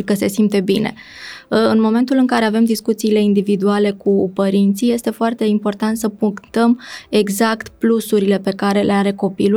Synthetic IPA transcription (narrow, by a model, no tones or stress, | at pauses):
ikəse̞simpt̪e̞bine̞̰ | ɨnmo̞me̞nt̪ulɨŋkaɾe̞ave̞md̪iskut̪siːle̞ind̪ivid̪uale̞kupəɾint̪sije̞st̪e̞foart̪e̞impo̞rt̪ant̪səpuŋkt̪əme̞ɡzakt̪plusuɾile̞pe̞kaɾe̞lʔe̞aɾe̞ko̞pilu